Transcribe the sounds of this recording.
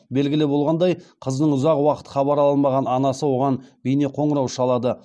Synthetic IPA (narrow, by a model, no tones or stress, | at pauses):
be̞lɡʲɪlɪbolˠʁɑnd̪ɑjqʰəznəɴʊzɑqwɑqə̥t̪χɑbɑɾɑlˠənmɑʁɑnɑnɑsəwo̞ʁɑnbijneqʰo̞ɴəɾɑwʃɑlˠɑd̪ə